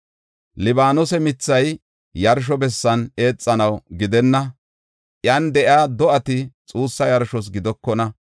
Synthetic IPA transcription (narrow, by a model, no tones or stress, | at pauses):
lɪbaːnʊsɛmɪt͡sːɐj | jɐɾʃ̬ɔbɛsːɐne̞ːt͡sʼːɐnɐwɡɪd̪ɛnːɐ | ʔjɐnd̪ɛʔɪaːd̪ɔʔɐt̪ɪt͡sʼuːsːɐjɐɾʃɔs̬ɡɪd̪ɔkːɔnɐ